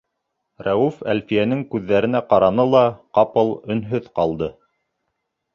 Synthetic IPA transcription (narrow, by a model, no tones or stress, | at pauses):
ræufælfijænɘŋkʉðːæɾɘ̆næqɑɾɑnɤlˠɑqɑpɤlˠɵ̆nɦɵðqɑlˠd̪ɤ